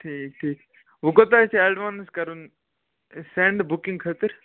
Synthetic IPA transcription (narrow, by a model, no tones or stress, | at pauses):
ʈʰiːk̚ʈʰiːk | ʋukot̪asiɐɖʋaːnskɐɾun | seɳɖbukĩŋɡkʰɐt̪əɾ